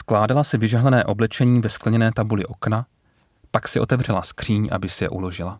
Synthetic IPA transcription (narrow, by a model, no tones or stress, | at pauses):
sklaːdalasɪvɪʒaɦlɛnɛːʔo̞blɛt͡ʃɛɲiːvɛsklɛɲɛnɛːt̪abulɪʔo̞kna | paksɪʔo̞t̪ɛvr̝ɛlaskr̝̥iːɲʔa̰bɪsɪjɛ̰ʔulo̞ʒɪla